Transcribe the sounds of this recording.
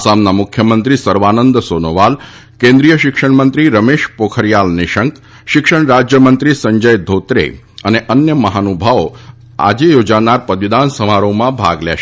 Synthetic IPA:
samnamʊkʰjəmənt̪ɾisəɾʋanənd̪sonoʋal | kẽnd̪ɾijəʃɪkʃəɳmənt̪ɾiɾəmeʃpokʰəɾjalnɪʃəŋk | ʃɪkʃəɳɾad͡ʒjəmənt̪ɾisəɲd͡ʒəjd̪ʱot̪ɾḛ | əneʔənjəməɦanubʱaʋo | a̰d͡ʒejod͡ʒanaɾpəd̪ʋɪd̪ansəmaɾomãbʱa̰ɡlɛ̰ʃ

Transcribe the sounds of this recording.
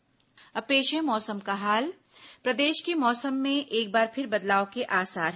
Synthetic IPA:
ɐpeːʃemɔːsəmkaɦaːl | pɾɐd̪eːʃkemɔːsəmːẽʔeːk̚baːɾpʰɪɾbɐd̪laːokeʔaːsaːɾɦ

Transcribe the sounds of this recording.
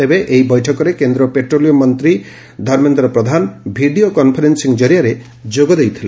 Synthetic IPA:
t̪ebeʔejbɔjʈʰɔkɔɾekend̪ɾɔpeʈɾolijomɔnt̪ɾi | d̪ʱɔɾment̪ɾɔpɾɔd̪ʱanbʱiɖiokɔnpʰɔɾensiŋd͡ʒɔɾijaɾe | d͡ʒoɡɔd̪ejt̪ʰile

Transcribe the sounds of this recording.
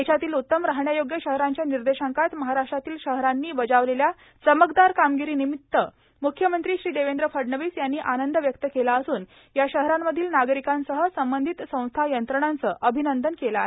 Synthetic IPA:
et͡ɕʰat̪iːlut̪ːəmɾaɦɳjajoɡjəɕəɦɾaɲt͡ɕjaniɾd̪eɕãŋkat̪məɦaɾaʂʈɾat̪iːlɕəɦɾanːiːbəd͡ʑaʋlelja | t͡səməkd̪aɾkamɡiɾiːnimit̪ːə | mukʰːjəmənt̪ɾiːɕɾiːd̪eʋend̪ɾəfəɖɳəʋiːsjanːiːʔanənd̪əʋjəkt̪əkelaəsuːn | jaɕəɦɾamːəd̪ʱiːlnaɡɾikãnsəɦəsəmbənd̪ʱit̪sə̃w̃st̪ʰajənt̪ɾəɽ̃ant͡səʔəbʱinənd̪ənkela̰e

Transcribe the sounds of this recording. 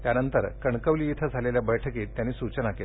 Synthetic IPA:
t̪janənt̪əɾkəɳkəʋliːit̪ʰəd͡zʱaleljabəjʈʰəkiːt̪ːjanːiːsut͡ɕənakel

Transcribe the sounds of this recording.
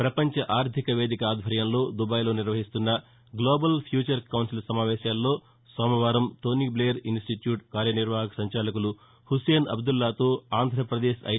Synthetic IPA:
pɾɐpɐɲt͡ʃɐʔaːɾt̪ʰikɐʋe̞ːd̪ikɐaːd̪ʱʋɐɾjɐmlo̞ːd̪ubɐːjlo̞ːniɾʋɐɦist̪unːɐ | ɡloːbɐlpʰjuːt͡ʃɐɾkɐwnsilɐsɐmaːʋɛːʃaːlːo̞ː | sɐːmɐʋaːɾɐmt̪oːniːbleːɐɾinsʈiʈjuːʈkaːɾjɐniɾʋaːɦɐkɐsɐɲt͡ʃaːlɐkulu | huseːnɐ̰bd̪ulːaːt̪oːaːnd̪ʱɾɐpɾɐd̪eːʃɐ̰

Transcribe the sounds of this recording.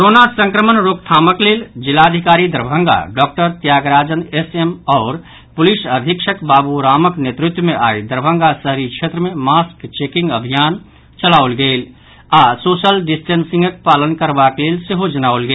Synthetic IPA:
kɾonasə̃ŋkɾəmənɾok̚t̪ʰaːməkleːld͡ʒɪlaəd̪ʱikaːɾid̪əɾbʱə̃ŋɡa̰ɖɔːk̚ʈəɾt̪jaːɡɾaːd͡ʒənesemɔːɾ | pʊlisəd̪ʱikʃəkbaːbuɾaːməknet̪ɾʊt̪wəmẽʔa̰ːid̪əɾbʱə̃ŋɡasəɦɾikʃʰet̪ɾəmẽmaskt͡ʃekɪ̃ŋɡəbʱijaːn | t͡ʃəlaːulɡeːl | asoːsəlɖɪsʈensɪ̃ŋɡək̚paːlənkəɾbakleːlseɦod͡ʒənaʊlɡe

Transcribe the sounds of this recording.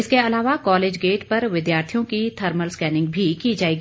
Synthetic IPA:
ɪskeɐlaːʋakɔːleːd͡ʒɡeːʈpɐɾʋɪd̪jaːɾt̪ʰijõkit̪ʰɐɾməlskɛːnɪ̃ŋɡ̚bʱikid͡ʒaːeːɡi

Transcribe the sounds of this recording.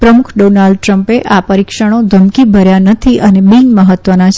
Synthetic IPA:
pɾəmukʰɖonalɖ̚ʈɾəmpeʔapəɾikʃəɽ̃od̪ʱəmkibʱəɾjanət̪ʰiʔənebĩnməɦət̪ʋənat͡ʃʰ

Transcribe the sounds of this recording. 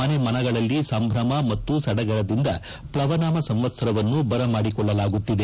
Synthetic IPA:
ɐnemɐnɐɡɐɭɐlːisɐmbʱɾɐmɐmɐt̪ːusɐɽɐɡɐɭɐd̪ind̪ɐ | pɭɐʋɐnaːmɐsɐmʋɐt̪sɐɾɐʋɐnːubɐɾɐmaːɽikɔɭːɐlaːɡut̪ːid̪e

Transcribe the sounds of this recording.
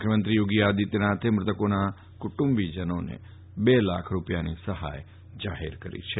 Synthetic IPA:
mkʰjəmənt̪ɾijoɡiad̪it̪enat̪ʰemɾɪt̪əkona | kʊʈumbid͡ʒənonḛ | belakʰɾupjanisəɦa̰j | d͡ʒaɦḛɾkəɾḭt͡ʃʰe

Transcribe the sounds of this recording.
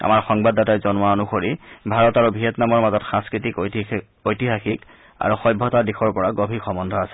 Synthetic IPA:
a̰maɹxɔŋbadatajzɔnaonuxoɹibʱaɹɔtaɹubʱiɛtnamɔɹmazɔtxãskɹitik | ojtiɦaxik | a̰ɹuxɔjbʱɔtadixʰɔɹpɔɹaɡobʱixɔmɔndʱɔasɛ̥

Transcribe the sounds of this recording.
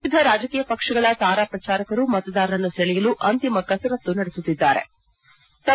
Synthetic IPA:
d̪ʱɐɾaːd͡ʒɐkiːjɐpɐkʂɐɡɐɭɐt̪aːɾaːpɾɐt͡ʃaːɾɐkɐɾumɐt̪ɐd̪aːɾɐɾɐnːuseɭɛjɐluʔɐnt̪imɐkɐsɐɾɐt̪ːunɐɽesut̪ːid̪ːaːɾe̞̰ | t̪ɐ

